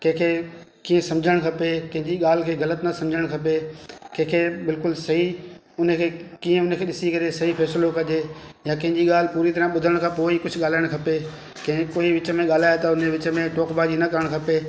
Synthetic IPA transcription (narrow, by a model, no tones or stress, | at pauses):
kɐ̃ɦɪ̃kʰeːkiːə̃sɐ̃md͡ʑʱəɽ̃kʰɐpekɐ̃ɦɪ̃ɲd͡ʑiɠaːl̤ɪkʰeːɣɐlət̪nɐsɐ̃md͡ʑʱəɽ̃kʰɐpekɐ̃ɦɪ̃kʰeːbɪlkʊlsɐɦi | ʊnkʰeːkiːə̃ʊnkʰeːɗɪsikɐɾesɐɦifʰɛːslokɐʄe | jãkɐ̃ɦɪ̃ɲd͡ʑiɠaːl̤ɪpuːɾit̪ɐɾə̃ɓʊd̪ʱəəɽ̃kʰãːpoːikʊd͡ʑʱʊɠaːl̤aːɪəɽ̃kʰɐpe | kɐ̃ɦɪ̃koːiʋɪt͡ɕmẽɠaːl̤aːjat̪ɐʊneʋɪt͡ɕmẽʈoːkbaːd͡ʑinɐkɐɾəɽ̃kʰɐpe